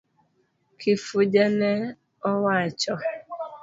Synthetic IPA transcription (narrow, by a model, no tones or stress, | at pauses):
kʰifʊd͡ʒane | ɔwaat͡ʃɔ